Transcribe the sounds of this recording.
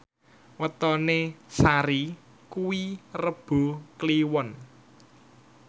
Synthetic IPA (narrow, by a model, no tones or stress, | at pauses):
wət̪ɔnesaɾi | kuwirəb̥o̤kliwɔn